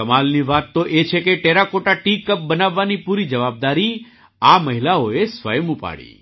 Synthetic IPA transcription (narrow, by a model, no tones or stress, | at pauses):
kəmalniʋat̪ːoʔet͡ʃʰekeʈeɾakoʈaʈikəp̚bənaʋːanipuɾid͡ʒəʋab̚d̪aɾi | aməɦilaoesʋə̰jmupa̰ɽḭ